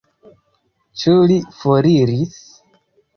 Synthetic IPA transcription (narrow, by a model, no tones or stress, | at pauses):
t͡ʃulifoɾiɾis